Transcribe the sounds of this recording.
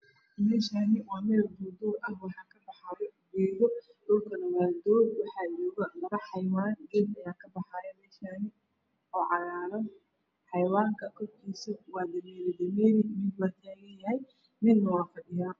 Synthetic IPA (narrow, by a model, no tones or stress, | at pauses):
mɛːʃaːnɪwɑːmɛːlbʊd̪ʊːɾɐhwɑħɑːkʰɐbɑħɑjɔd͡ʒɛːjɔ | d̪̥ɔːlkʰɐnɐwaːd̪ɔːd̪wɑħɑːd͡ʒɔːɣɐmɐɾɐħɑjwaːnɡɛlɐjaːkʰɐbɑħɑːjɛmɛːʃaːnɪ | ɔːʕɑɾaːɾɔ | ħɑjwaːŋkʰɐkʰɔrkʰiːsɐwɑːd̪ɐmɛːlɪd̪ɐmɛːɾɪmɪd̪lɐt̪ʰɛːɣɐjɐɦɛj | nɪnːɐwɑːfɐɖɪjaː